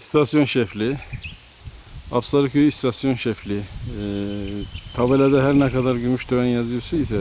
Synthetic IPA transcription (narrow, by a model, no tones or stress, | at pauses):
st̪ʰasjo̞nʃɛflʲi | apsaɾɯkyist̪ʰasjo̞nʃɛflʲi | t̪ʰavelʲad̪ɛɦæɾnɛkad̪aɾɟymyʃd̪øvænjazɯjosaisɛ